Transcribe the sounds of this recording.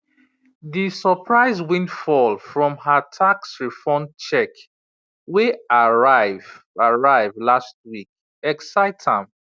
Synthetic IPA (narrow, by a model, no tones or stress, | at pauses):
ðisəpʰɹaɪzwĩnfɔlfɹɔ̃mhətʰaksɹifɔnt͡ʃɛk | weaɹ | aɹaɪvlast̚wik̚ | ɛksaɪtʰãm